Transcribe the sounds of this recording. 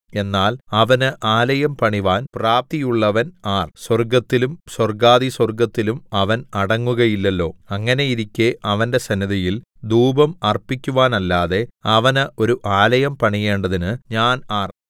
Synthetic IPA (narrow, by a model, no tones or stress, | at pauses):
e̞nːaːlɐʋɐnɨʔaːlɐjɐmpɐɳiʋaːnpraːp̚t̪ijuɭːɐʋɐnaːrswɐrɡɐt̪ːilumswɐrɡaːðiswɐrɡɐt̪ːilumɐʋɐnɐɽɐŋːuɣɐjilːɐlːo̞ːɐŋːɐne̞iɾikʲːeʔɐʋɐnde̞sɐniðɐjil | d̪uːbɐmɐrpikʲːuʋaːnɐlːaːðe̞ɐʋɐnɨʔo̞ɾuʔaːlɐjɐmpɐɳije̞ːɳɖɐðinɨɲaːnaːr